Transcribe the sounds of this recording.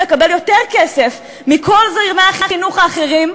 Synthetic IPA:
ekabeljo̞teʁkese̞f | miko̞lzʁimaχiχinuχaːχeʁim

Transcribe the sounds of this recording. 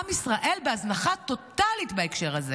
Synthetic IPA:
amisʁaʔe̞lbeaznaχat̪o̞t̪alit̪beekʃe̞ʁhaze

